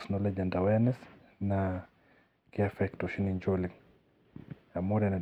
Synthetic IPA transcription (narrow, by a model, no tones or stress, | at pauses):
snɔlɛd͡ʒandawɛnɛs | na | kiafɛktɔʃiniɲd͡ʒɔliŋ | amɔɾana